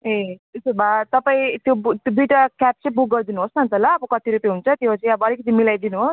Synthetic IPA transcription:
eesemat̪ʌpaĩt̪jobt̪od̪ujʈakap̚t͡sʌĩbuk̚ɡʌrd̪inuɦosnʌnt̪ʌlaːbʌkʌt̪iɾupjeɦunt͡sʰʌt̪jot͡sʌĩʌbʌʌlikʌt̪imilajd̪inuɦos

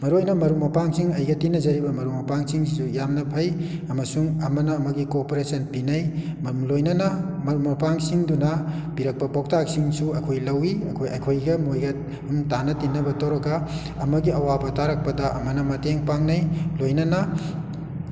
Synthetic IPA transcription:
mɐɾojnɐmɐɾumɐpaŋsiŋɐjɡɐtinːɐzɐɾibɐmɐɾumɐpaŋsiŋsisujamnɐpʰɐjɐmɐsuŋɐmɐnɐːmɐɡikopoɾesɐnpinɐjmmlojnɐnɐmɐɾumɐpaŋsiŋdunɐpiɾɐk̚pɐpɔk̚taksiŋsuɐkʰojlɐwiɐ̰kʰojɐkʰojɡɐmojɡɐ | umtanɐtinːɐbɐtɐwɾɐɡɐ | ɐmɐɡiɐwabɐtaɾɐk̚pɐdɐʔɐ̰mɐnɐmɐteŋpaŋnɐjlojnɐnɐ

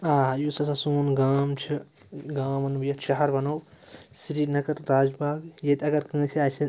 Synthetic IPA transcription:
aːjusɐsɐsuːnɡaːmt͡ʃʰi | ɡaːmɐnubjɐtʃɐɦɐɾbɐnowsiɾiːnɐkɐɾːaːd͡ʒbaːɡjet̪ʲɐɡɐɾkə̃ːt͡ʃʰiaːt͡ʃʰi

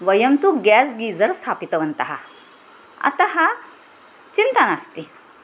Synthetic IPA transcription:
ʋəjɐmt̪uɡɛs̬ɡiːd͡zəɾst̪ʰapit̪ɐʋənt̪ɐɦa̰ | a̰t̪aɦa | t͡ɕint̪anast̪i

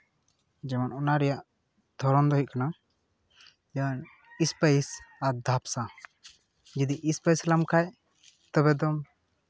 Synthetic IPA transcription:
d͡ʒɛmanɔnaɾɛjaʔ | d̪̥ʰʱɔɾɔnd̪ɔɦiʔ̪̚kana | d͡ʒɛan | ispəjsaɾd̪ʱapsa | d͡ʒid̪iʔispəjslamkʰaj | t̪ɔbɛd̪ɔm

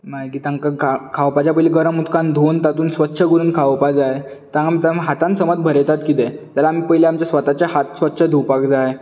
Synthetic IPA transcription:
makiːt̪ãŋkaakʰawpad͡ʑjapəjileɡəɾamut̪ʰkãnd̪ʱont̪at̪uːnsʋət̪ːɕʰəɡuɾuːnkʰawpad͡zaje | t̪ãamit̪amɦat̪ãnsəmət̪̚bʱəɾet̪at̪kit̪ɛt̪jalaːm̤ipəɦileamt͡ɕjasʋət̪at͡ɕjaɦat̪sʋət̪ːɕʰəd̪ʱupakd͡zaje

